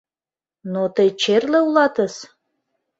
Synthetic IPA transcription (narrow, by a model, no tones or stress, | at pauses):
not̪əjt͡ɕerleulɑt̪əs